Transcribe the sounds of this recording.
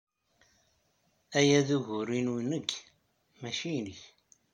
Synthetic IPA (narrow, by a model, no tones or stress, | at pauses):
æjæðuʝʊɾinunəɡ | mæʃijnəç